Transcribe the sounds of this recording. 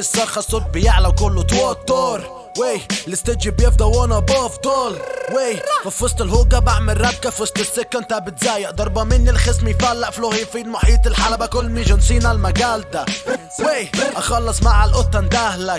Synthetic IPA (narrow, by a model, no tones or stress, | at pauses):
ɪsˤːɑːɾxɑsˤːʊt̪̚bɪjaʕlakʊlːʊt̪wot̪ːoːɾ | welɪst̪ɪd͡ʒɪbjɪfd̪awoːnaboft̪oːlwefafʊst̪ˤɪlhuːɡabaʕmɪrːɑb̪̚kafʊst̪ɪsːɪkːant̪abɪt̪zaːjɪʔd̪ɑɾˤbɑmɪnːilxɪsmijfalːaʔfloːhifiːd̪mʊħiːt̪ɪlħalabakʊlːmiʒɪnsiːnalmaɡaːld̪a | weʔɑxɑlːɑsˤmaʕalʔʊt̪ːand̪aːhla